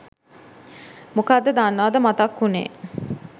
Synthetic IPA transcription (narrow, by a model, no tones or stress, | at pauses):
mukad̪ːəd̪anːaːd̪əmat̪akːunḛː